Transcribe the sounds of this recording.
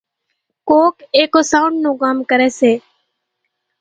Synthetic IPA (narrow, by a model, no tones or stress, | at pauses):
koːkeːkoːsaːʊɳɖnũːkaːmkəɾɛːseː